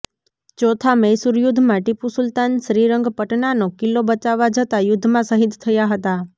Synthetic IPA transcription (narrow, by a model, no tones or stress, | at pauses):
t͡ʃot̪ʰaməjsuɾjud̪ʱmãʈipusʊlt̪anʃɾiɾəŋɡpəʈnanokilːobət͡ʃaʋad͡ʒət̪ajʊd̪ʱːmãsəɦit̪t̪ʰəjaɦət̪a